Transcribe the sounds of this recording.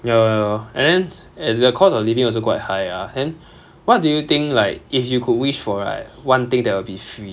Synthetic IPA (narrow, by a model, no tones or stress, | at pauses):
jawɛɛ̰̃ndɛ̃n | ɛdəkʰɔsɔflivɪ̃ŋɔls̬okwaɪt̚haɪadɛ̃n | wɔt̚dujut̪ɪ̃ŋklaɪk̚ifjukʰud̚wiʃfɔɹa̰ɪt̚wãnt̪ɪ̃ŋdɛtwɪlbifɹi